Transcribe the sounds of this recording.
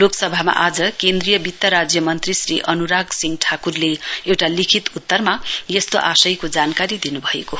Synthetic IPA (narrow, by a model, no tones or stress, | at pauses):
loksʌbʱama̰ʔad͡zʌkend̪rijʌbit̪jaɾad͡zjʌmʌnt̪risrḭʔʌnuɾaɡsiŋɡʈʰakurleewʈalikʰit̪ut̪ːʌrmajʌst̪oʔasʌjkod͡zankaɾid̪inubʱʌḛko